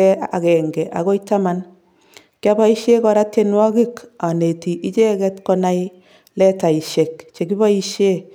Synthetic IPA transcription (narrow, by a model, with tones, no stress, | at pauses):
ɛ˦a̰˨kɛ˨ŋɡɛ˨ʔa̰˨ko˦ita˦ma˦n | kja˦ba˦i˦ʃe˦kɔ˨ɾa˦te˦nwɔ˦ki˦ka˨ne˨ti˨ʔi˦t͡ʃe˦kɛ˦tkɔ˦na˦i | lɛ˦ta˨i˨ʃe˨kt͡ʃe˨ki˦ba˦i˦ʃe˦